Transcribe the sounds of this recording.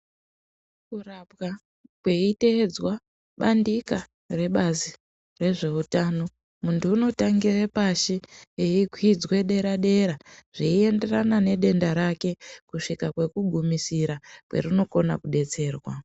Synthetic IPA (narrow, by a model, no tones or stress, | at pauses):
kurapka | kwe̞ite̞ːd͡zwa | ɓandika | re̞ɓazi | re̞ʐe̞utano̞ | muntuːno̞taŋɡirepaʃieikʰwid͡zwe̞ɗe̞ɾaɗe̞ɾaʐ̥iie̞nde̞ranane̞ɗe̞ndaɾake̞kuʂikakwe̞kuɡʱumisiɾakwe̞̰rino̞ko̞na̰kuɗe̞t͡se̞ːrwa